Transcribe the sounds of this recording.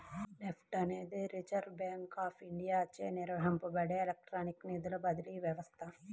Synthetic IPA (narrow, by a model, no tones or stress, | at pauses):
nepʰʈɐneːd̪iɾit͡ʃɐɾɖbjaːŋkaːpʰiɳɖijaːɐt͡ʃːeːniɾʋɐɦɐmpɐbɐɽeːelek̚ʈɾaːniknid̪ulɐbɐd̪iliʋjɐʋɐst̪ʰɐ